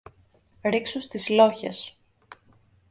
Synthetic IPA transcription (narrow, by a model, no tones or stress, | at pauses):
ɾiksust̪izlo̞çḛs